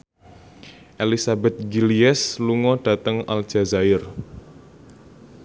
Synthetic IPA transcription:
ʔelisabɛt̪̚ɡiliɛsluŋɔɖ̥a̤t̪əŋal̥ʒ̥a̤zaɪr

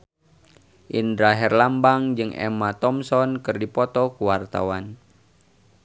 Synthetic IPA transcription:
ʔindɾaɦɛrlambaŋd͡ʒɨŋʔɛ̰mat̪ɔmsɔnkɨrdipɔt̪ɔkuwart̪a̰wan

